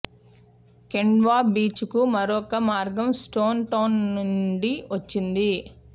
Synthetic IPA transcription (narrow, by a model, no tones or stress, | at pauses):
keɳɖʋaːbiːt͡ʃukumɐɾɔkɐmaːɾɡɐmsʈoːnʈɐwnːuɳɖiʋɐt͡ʃːind̪i